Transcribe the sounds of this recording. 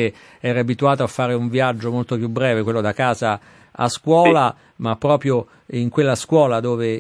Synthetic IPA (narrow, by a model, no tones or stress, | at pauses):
e | ɛːɾaabit̪uaːt̪oafːaːɾeuɱviad͡ʒːomolt̪opjubɾɛːvekwelːod̪akaːza | a̰skwɔːla | mapːɾɔːpɾjo | iŋkwelːaskwɔːlad̪oːve